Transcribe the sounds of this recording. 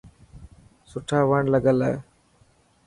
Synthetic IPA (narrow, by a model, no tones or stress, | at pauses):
sʊʈʰaːʋəɳləɡəlɛe